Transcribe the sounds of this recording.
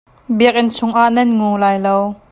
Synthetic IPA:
biək̚ʔɪnsʰʊŋʔaʔnɛnŋuːlaːjlow

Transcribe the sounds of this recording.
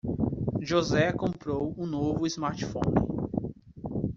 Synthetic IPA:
ʒozɛkõmpɾowũnovʊizmaɾt͡ʃi̥fõ̰nɪ̰

